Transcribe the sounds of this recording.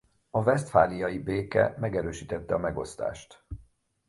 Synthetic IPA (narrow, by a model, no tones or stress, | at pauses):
ɒvɛst̪faːlijɒjibeːkɛ̰mɛɡɛɾøːʃiːt̪ɛt̪ːɛɒmɛɡo̞̰st̪a̰ːʃt̪